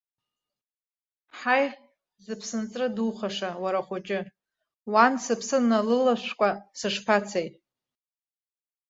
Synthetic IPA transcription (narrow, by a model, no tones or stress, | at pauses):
ħaj | zɨpʰsɨnt͡sʼrɨduχaʂawaɾaχʷʊt͡ʃʼɪ | wansɨpʰsɨnːalɨlaʃʷkʷʼasɨʂpʰat͡sʰajʼ